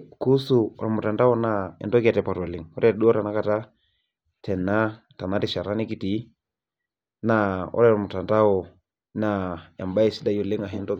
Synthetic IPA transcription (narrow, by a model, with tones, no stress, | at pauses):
ku˦su˨ɔ̰˨ɾa˨mʊ˨ta˨nda˦ɔ˦na˦ɛ̰˨ndɔ˦ka˨tɛpa˨tɔ˨lɪ˨˦ŋɔ˦ɾɛɗu˦ɔ˦ɾa˨na˦ka˨ta˦ | tɛ˨na˦ | ta˨na˦ti˨ʃa˨ɾa˦nɪ˦ki˨ti˨˦ | naɔ̰˦ɾɛ˦ɾɔ˨mʊ˨ta˨nda˦ɔ˨ | naja˨mba˦i˨si˦da˦jɔ˨lɪ˦ŋa˨ɦɛndɔ˦